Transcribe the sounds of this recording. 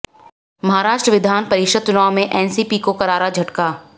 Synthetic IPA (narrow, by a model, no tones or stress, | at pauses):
mɐɦaːɾaːʃʈɾəʋɪd̪ʱaːnpɐɾɪʃəd̪̚t͡ʃʊnaːomẽʔɛːnsiːpiːkokɐɾaːɾad͡ʒʱɐʈkaː